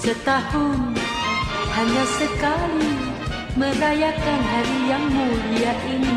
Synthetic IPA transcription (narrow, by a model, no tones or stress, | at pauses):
sət̪ahʊn | haɲasəkali | mərajakanɦaɾijaŋmudiaʔini